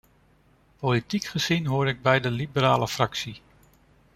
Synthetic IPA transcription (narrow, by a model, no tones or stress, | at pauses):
politikχəz̥inɦoːɾɪɡ̚bɛjdəlibəɾaːləfrɑksi